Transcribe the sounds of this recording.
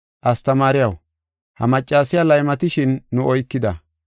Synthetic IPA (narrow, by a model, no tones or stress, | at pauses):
ʔɐst̪ɐmaːɾɪjɐw | hɐ̰mɐt͡ʃʼːaːsɪjaːlɐjmɐt̪ɪʃɪnːʊʔɔjkːɪd̪ɐ